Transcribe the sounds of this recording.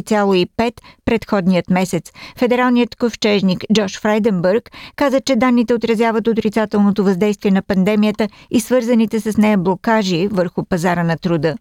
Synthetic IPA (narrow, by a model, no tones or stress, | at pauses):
t̪sʲalˠoipɛt̪pɾɛt̪xɔd̪nijət̪mɛsɛt̪sfɛd̪ɛɾalˠnijət̪koft͡ʃɛʒnikd͡ʒɔʃfɾajd̪ɛmbɛɾkːazət͡ʃɛd̪anːit̪ɛot̪ɾɐzʲjavət̪ot̪ɾit̪sat̪ɛlˠnot̪ovɐzd̪ɛjst̪viɛnɐpɐnd̪ɛmijət̪əisvɤɾzɐnit̪ɛsɐsnɛjəblˠokaʒivəɾxʊpɐzaɾənɐt̪ɾʊd̪ɤ